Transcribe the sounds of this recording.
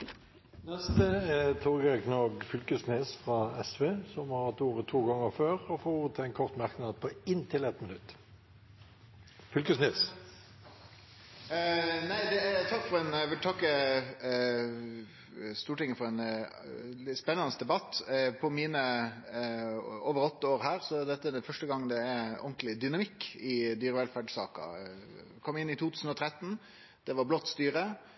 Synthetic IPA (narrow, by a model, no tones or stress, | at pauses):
nɛst̪əɛt̪ʰoɡəɾɛknɔɡfʏlkəsneːsfʁɑɛsʋeːsɔmhɑɾhɑt̪uːʁət̪ʰuːɡɑŋːəføːʁɔfoːuːʁət̪ʰɛɛɪnkʰɔʁt̪mæʁknɑd̪pʰɔɪnːt̪ʰɪlɛt̪mɪnʉt̪ː | fʏlkəsneːs | næɪd̪ɛt̪ʰɑkːfɔʁɛnʋɪlt̪ʰɑkːə | st̪uːʈɪŋːəfɔɾɛn | ɪspɛnːɑnəsd̪ɛbɑt̪ːpʰɔmiːnə | oːʋəɾɔt̪ːəoːɾhæːɾsɔd̪ɛt̪ːəɛnfœʂʈəɡɑŋːd̪ɛɛʔɔ̰nt̪lɪd̪ʏnɑmɪkːɪd̪yːɾəʋɛlfæɖsɑ̰ːkɑ̰ | kʰɔmːɪnːɪt̪ʰuːt̪ʰʉːsn̩ɔt̪ʰɾɛt̪ːn̩ | d̪̥ɛʋɑɾblɔt̪ːst̪yːɾə